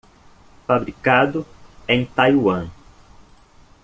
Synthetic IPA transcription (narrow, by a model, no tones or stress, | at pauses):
fabɾikad̪ʊẽj̃t̪ajwɐ̃